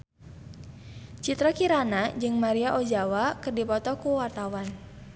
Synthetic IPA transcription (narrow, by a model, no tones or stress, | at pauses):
t͡ʃit̪ɾɔkiɾanad͡ʒɨŋmaɾiaʔod͡ʒawakɨrdipɔt̪ɔkuwart̪awan